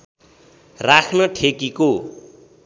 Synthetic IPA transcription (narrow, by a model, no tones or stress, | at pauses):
rakʰnʌʈʰekiko